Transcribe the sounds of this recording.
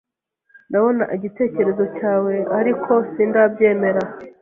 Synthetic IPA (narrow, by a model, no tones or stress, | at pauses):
naβo̞naʔiɟite̞ːce̞ɾe̞zo̞caːwe̞aɾikʰo̞sindabɟe̞ːme̞ɾa